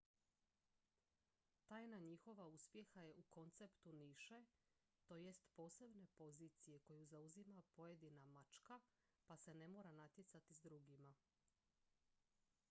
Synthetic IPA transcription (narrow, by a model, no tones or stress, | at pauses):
t̪aːjnaɲixo̞ʋauspje̞xaje̞ʔuko̞nt̪se̞pt̪uniʃe̞ | t̪o̞jest̪po̞ːse̞bne̞po̞ziːt̪sije̞ko̞juzauzimapo̞je̞d̪inamat͡ʃka | pase̞ne̞mo̞ːɾanat̪je̞t̪sat̪izd̪ɾuɡima